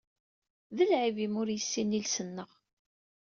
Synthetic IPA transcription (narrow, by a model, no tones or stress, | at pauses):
ðəlʕivimʊɾjəsːinilsənːəʁ